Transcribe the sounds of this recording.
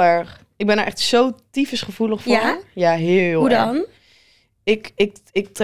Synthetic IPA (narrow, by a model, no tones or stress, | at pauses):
ɛɹχ | ɪɡ̚bɛnəʔɛχtsowtifəsχəv̥uləχfʊjaɦɪːlˠɦudn | ɪkɪk̚ɪk̚t